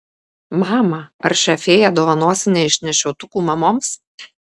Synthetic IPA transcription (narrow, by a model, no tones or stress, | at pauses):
mɑːmɐɐɾʃʲɐfʲeːjɛd̪oːʋɐnoːsʲɪnʲeːɪʃʲnʲɛʃʲɛʊt̪ʊkuːmɐmoːms